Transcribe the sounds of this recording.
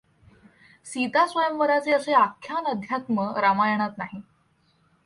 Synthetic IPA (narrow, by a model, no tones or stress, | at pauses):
sit̪asʋəjəmʋəɾat͡seəseakʰːjanəd̪ʱjat̪məɾamajəɳ̃at̪naɦi